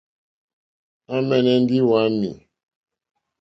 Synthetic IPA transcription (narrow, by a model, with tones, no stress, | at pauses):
a˦mɛ˦˨nɛ˦n̩˦di˦wa˦nːḭ˨